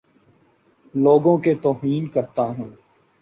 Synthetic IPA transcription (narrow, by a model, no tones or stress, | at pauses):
loːɡõket̪oːɦiːnkəɾt̪aɦũː